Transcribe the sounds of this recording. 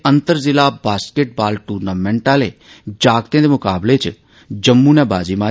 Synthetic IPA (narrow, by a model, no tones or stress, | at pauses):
ənt̪əɾzɪlaːbaːskeʈ̚baːlʈuːɾnaːmɛ̃ːɳʈãːleː | d͡ʒaːɡt̪ẽːd̪eːmʊkaːbleːt͡ʃ | d͡ʒəmːuːnɛːbaːziːmaː